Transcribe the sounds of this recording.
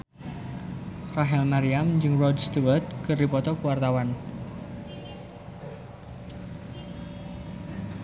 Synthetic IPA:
raɦɛlmaɾiamd͡ʒɨŋrɔdst̪uwərt̪̚kɨrdipɔt̪ɔkuwart̪awan

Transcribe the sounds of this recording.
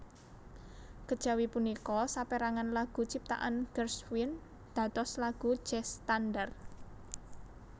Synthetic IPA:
kəd̥ʒ̥a̤wipunikɔsapeɾaŋanlaɡ̥ṳt͡ʃip̚t̪a̰ʔanɡ̥ərswin | d̪̥ä̤t̪ɔslaɡ̥ṳ̥ʒ̥ɛst̪andər

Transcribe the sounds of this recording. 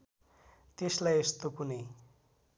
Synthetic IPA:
t̪eslajest̪opune

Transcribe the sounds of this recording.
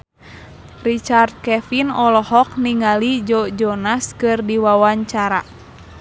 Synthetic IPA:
rit͡ʃart̪̚kɛfinɔlɔhɔk̚niŋalid͡ʒɔd͡ʒɔnaskɨrdiwawaɲt͡ʃaɾa

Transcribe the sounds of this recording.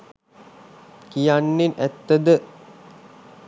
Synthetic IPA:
kijanːinæt̪ːəd̪ə

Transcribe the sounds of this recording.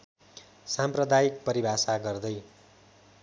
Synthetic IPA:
samprʌd̪ajik̚pʌɾibʱasaɡʌrd̪ʌj

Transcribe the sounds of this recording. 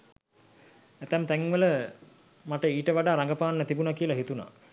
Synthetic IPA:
æt̪æmt̪æŋʋələ | maʈəiːʈəʋaɖaːɾaŋɡəpaːnːət̪ibunakiəlaɦit̪una̰

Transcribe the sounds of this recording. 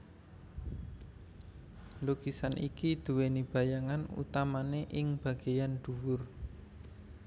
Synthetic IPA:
loɡ̥isanʔḭkid̪̥ṳwenib̥a̤jaŋanṵt̪amaneʔɪŋb̥ä̤ɡ̥ejand̪̥ṳwʊr

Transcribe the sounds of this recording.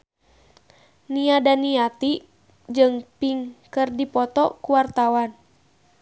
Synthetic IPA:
niadaniat̪i | d͡ʒɨŋpiŋkɨrdipɔt̪ɔkuwart̪awan

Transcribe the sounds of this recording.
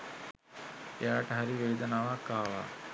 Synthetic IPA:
ejaːʈəɦaɾiʋeːd̪ənaːʋakːaːʋa̰ː

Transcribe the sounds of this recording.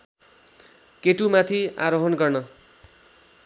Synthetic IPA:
keʈumat̪ʰia̰ɾoɦʌnɡʌrnʌ

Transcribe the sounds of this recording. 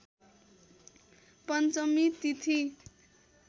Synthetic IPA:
pʌnt͡sʌmit̪it̪ʰi

